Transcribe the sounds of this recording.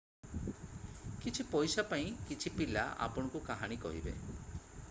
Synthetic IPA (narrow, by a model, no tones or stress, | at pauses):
kit͡ʃʰipɔjsapaĩkit͡ʃʰipila̰ʔa̰pɔɽ̃ɔkukaɦaɽ̃ikɔ̰ɦḭbḛ